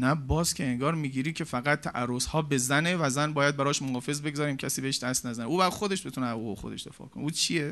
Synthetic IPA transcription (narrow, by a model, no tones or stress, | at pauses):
næbɒːz̥kʰʲe̞eŋɡɒːɾmiːɟiːɾiːkʲcʰe̞fæɣæt̪̚t̪ʰːæʔæɾːozhɒːbezæne̞væzænbɒːjæd̪̚bæɾɒːʃmoɡɒːfe̞zbe̞ɡzɒːɾiːmcʰæsiːbeheʃd̪æst̪næzæneuːbæɾxod̪e̞ʃbet̪uneuuexod̪e̞ʃd̪e̞fɒ̰ːkʰoneuːt͡ʃʰije